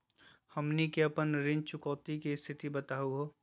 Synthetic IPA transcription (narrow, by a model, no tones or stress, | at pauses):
həmnikeɐpənɾɪ̃nt͡ʃʊkɔːt̪ikist̪ʰɪt̪ibət̪aːɦuɦoː